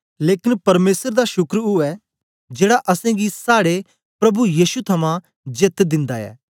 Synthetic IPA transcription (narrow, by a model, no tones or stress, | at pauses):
leːkɪnpɐɾmeːsəɾd̪aʃʊkɾuɛː | d͡ʒeːɽaʔɐsɛ̃ɡisaːɽe | pɾɐbujiːʃut̪ʰɐmã | d͡ʒɪt̪d̪ɪ̃nd̪aɛ̰ː